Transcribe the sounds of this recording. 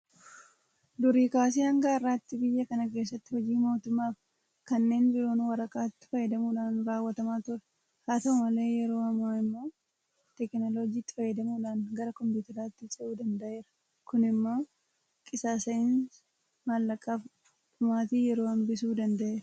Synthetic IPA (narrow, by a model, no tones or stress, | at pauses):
d̪ʊɾiːkaːs̬iːɐŋɡaːɪrːaːt̪ːɪbɪjːɐkɐnɐke̞ːsːɐt̪ːɪhɔd͡ʒiːmo̞ːt̪ʊmːaːf | kɐnːe̞ːnbɪɾo̞ːnwɐɾɐkʼaːt̪ːɪ̥fɐjːɛd̪ɐmuːᶑaːnɾaːwːɐt̪ɐmaːt̪ʊɾɛ̥ | haːt̪ɐʊmɐle̞ːjɛɾo̞ːhɐmaːɪmːoː | t̪ɛknolo̞ːd͡ʒiːt̪ːɪ̥fɐjːɛd̪ɐmuːᶑaːnɡɐɾɐkɔmpjuːt̪ɐɾaːt̪ːɪt͡ʃʼɐuːd̪ɐnd̪ɐʔe̞ːɾɐ̥ | kʊnɪmːoː | kʼɪsaːsɐɪn | maːlːɐkʼːaːf | ʊmaːt̪iːjɛɾo̞ːɐmbɪsuːd̪ɐnd̪ɐʔeːɾɐ